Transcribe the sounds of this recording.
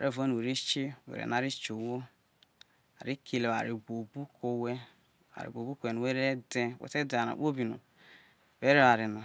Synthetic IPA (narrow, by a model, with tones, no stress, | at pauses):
a˨ɾʔe˦˨va˦nu˨we˨ɾi˦t͡ʃi˦wḛ˨ḛ˨na˨ɾi˦t͡ʃo˨wo˦ | a̰˨ɾi˦kʰe˨le˨wa̰˨ɾi˨ɡo˨bu˦kʰo˦we˦ | a̰˨ɾḭ˨ɡo˨bu˦ko˨e˨nu˨we˦ɾe˦de˦˨wḛ˨te˦da˨na̰˨k͡po˦bi˨no̰˨ | we˦ɾe˦a˨ɾi˨na˨